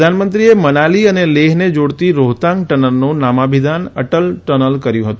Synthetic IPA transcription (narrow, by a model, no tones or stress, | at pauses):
d̪ʱanmənt̪ɾiemənaliəneleɦned͡ʒoɽt̪iɾoɦt̪ãŋɡ̚ʈənəɾnõnamabʱid̪ʱanə̰ʈəlʈənəlkəɾjũɦət̪ũ